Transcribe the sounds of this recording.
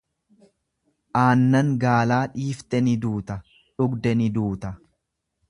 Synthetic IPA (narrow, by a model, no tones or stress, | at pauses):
ʔaːnːɐŋɡaːlaːᶑiːft̪ɛnɪd̪uːt̪ɐ | ᶑʊɡd̪ɛnɪd̪uːt̪ɐ